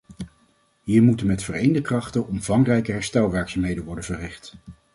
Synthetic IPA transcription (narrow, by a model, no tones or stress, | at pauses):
ɦiːɹmutənmɛtfərejndəkrɑχtənʔɔmvɑŋrɛjkəɦɛɹstɛlˠʋɛːɹksamɦejdənʋɔɹdənvərɪχt